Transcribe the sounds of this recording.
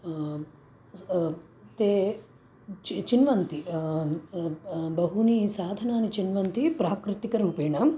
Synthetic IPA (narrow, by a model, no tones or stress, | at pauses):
t̪eː | t͡ʃt͡ʃinʋɐnt̪i | bɐɦunisaːd̪ʱɐnaːnit͡ʃinʋɐnt̪ipɾaːkɾɪt̪ikɐɾuːpeːɳɐm